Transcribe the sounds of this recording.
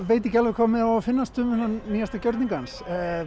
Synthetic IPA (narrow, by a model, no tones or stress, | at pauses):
vejt̪̬ɛcɪalvɪkʰaːmɪðaafɪnːast̪ʏːmʏnaniːjast̪acœɾt̪niŋkans